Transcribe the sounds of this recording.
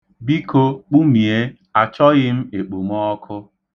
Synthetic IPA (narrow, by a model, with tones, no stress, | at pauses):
bi˦ko˦k͡pu˦mi˨e˦ | a˨t͡ʃɔ˦ɣɪ˦m̩˦e˨k͡po˨m˦ɔ˦kʰʊ˦